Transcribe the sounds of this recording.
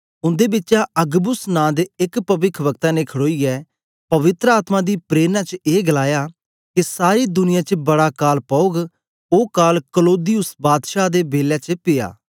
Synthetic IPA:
ʊ̃nd̪eːbɪtːʃaːʔəɡbʊsnãːd̪ɪkpəʋɪkʰʋəkt̪ãːneːkʰəɽoːiːɛː | pɐʋɪt̪ɾəaːt̪mãːd̪iːpɾeːnãːt͡ʃeːɡəlaːjaː | kisaːɾiːd̪ʊnɪjãːt͡ʃbɐɽaːkaːlpəʊɡ | oːkaːlkəloːd̪ijʊsbaːd̪ʃaːd̪eːbeːljaːt͡ʃəpɪja̰ː

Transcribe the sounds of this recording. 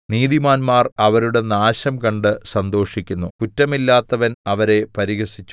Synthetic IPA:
niːd̪imaːnmaːrɐʋɐɾuɽe̞naːɕɐmkɐɳɖɨsɐnd̪o̞ːʂikʲːunːukutːɐmilːaːt̪ːɐʋɐnɐʋɐɾe̞pɐɾiɣɐsit͡ɕːu

